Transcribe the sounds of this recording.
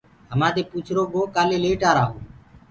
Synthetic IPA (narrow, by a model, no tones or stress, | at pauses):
ɦəmãːd̪eːpuːt͡ʃʰɾoːɡoːkaːleːleːʈaːɾaːɦoː